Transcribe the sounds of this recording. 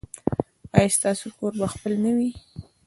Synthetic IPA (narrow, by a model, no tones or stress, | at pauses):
ɑjst̪ɑsokoɾbaxpəlnawi